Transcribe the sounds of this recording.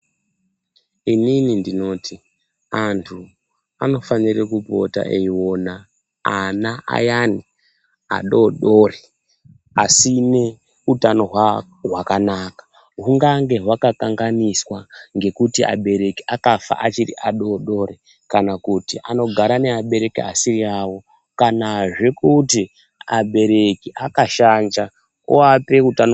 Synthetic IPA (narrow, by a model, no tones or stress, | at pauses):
ininindino̞ːti | antʰu | ano̞fanirekupo̞̰ta̰ʔeiwo̞na | anaʔa̰jani | a̰ɗo̞ːɗo̞re | asine̞ | utano̞ɦwa | ɦwakanaːkḁ | ɦuŋɡaŋɡe̞ɦwakakaŋɡaniswaŋɡe̞kutia̰ɓe̞ɾe̞kiʔakafa̰ʔat͡ʃiɾḭʔaɗo̞ːɗo̞ɾe | kanakutiʔano̞ɡʱaɾane̞aɓe̞ɾe̞kiasiriawo̞ | kanaʐe̞kuti | aɓe̞ɾe̞kiʔakaʃand͡ʒa | uape̞utano